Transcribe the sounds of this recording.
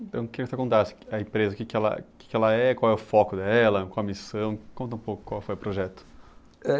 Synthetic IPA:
ẽnt̪ɐ̃w̃kɪkt̪ɐkõt̪asɪ̥ɐẽpɾezɐʊkekɪɛlɐ̰ke̥kɪɛlɐɛkwawɛʊfɔkʊd̪ɛlɐkõw̃ɐmisɐ̃w̃kõnt̪ɐũpokʊ̥kwawfojʊpɾoʒɛt̪ʊ̥ | ɛ

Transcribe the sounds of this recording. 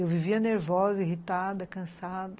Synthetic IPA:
ewviviɐneɾvɔzɐiɦit̪ad̪ɐkɐ̃sad̪ɐ

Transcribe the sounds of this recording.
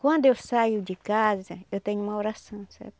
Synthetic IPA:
kwãnd̪ʊewsajʊd͡ʒikazɐewt̪ẽɲʊumaoɾasɐ̃w̃sɛ̰ɾt̪

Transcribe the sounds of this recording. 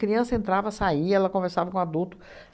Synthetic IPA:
kɾiɐ̃sɐẽnt̪ɾavɐasaiɛlɐkõveɾsavɐkõad̪uwt̪ʊ̥

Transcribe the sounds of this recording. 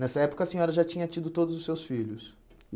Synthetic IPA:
nɛsɐɛpʊ̥kɐːsĩɲɔɾɐʒat͡ʃĩɲɐt͡ʃid̪ʊt̪od̪ʊzʊsːewsfiʎʊs

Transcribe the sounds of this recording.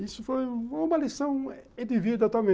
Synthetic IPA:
isʊfojfojũmɐlisɐ̃w̃ed̪ivid̪at̪uamẽ

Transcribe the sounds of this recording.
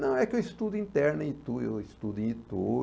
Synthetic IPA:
nɐ̃w̃ɛkɪewist̪ud̪ʊĩnt̪ɛɾnẽit̪uḛist̪ud̪ʊẽit̪u

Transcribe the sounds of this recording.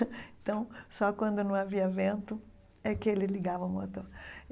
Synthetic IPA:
t̪ɐ̃w̃sɔkwɐ̃nd̪ʊnɐ̃w̃aviɐvẽnt̪ʊ | ɛkɪelɪliɡavɐʊmot̪oɾ

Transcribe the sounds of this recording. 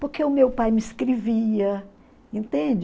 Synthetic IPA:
poɾkeʊmewpajmɪskɾeviɐ | ẽnt̪ẽd͡ʒ

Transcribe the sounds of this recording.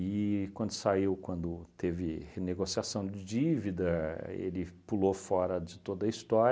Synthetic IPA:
ɪkwɐ̃nd̪ʊsaiwkwɐ̃nd̪ʊt̪evɪheneɡosiasɐ̃w̃d͡ʒɪd͡ʒivid̪ɐḛlɪpulofɔɾɐd͡ʒɪt̪od̪ɐist̪ɔɾ

